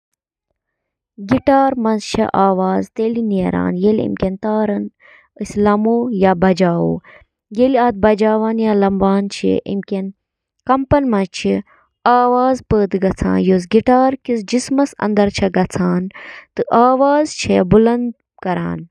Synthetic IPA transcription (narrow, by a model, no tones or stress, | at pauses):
ɡiʈaːɾmɐzt͡ʃʰɐ̰ʔaːʋaːzt̪eːliniːɾa̰ːnjeːlʲḭmkʲent̪aːɾɐn | ɨsʲlɐmoːjabɐd͡ʒaːwo̰ː | jeːliaːt̪̚bɐd͡ʒaːʋaːnjaːlɐmbaːnt͡ʃʰḭʔḭmkʲen | kɐmpɐnmɐzt͡ʃʰi | aːʋaːzpəːt̪ɡɐt͡sʰã̰ːnjoːs̬ɡiʈaːɾkisd͡ʒismɐsɐ̰̃nd̪ɐɾt͡ʃʰɐɡɐt͡sʰaːnt̪ɨʔaːʋaːzt͡ʃʰɐbulɐnd̪̚ | kɐɾa̰ːn